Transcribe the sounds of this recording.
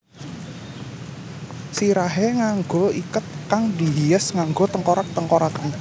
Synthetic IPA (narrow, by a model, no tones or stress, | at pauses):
siɾaɦeŋaŋɡoikət̪̚kaŋdi̤ɦiəsŋaŋɡot̪əŋkoɾak̚t̪əŋkoɾak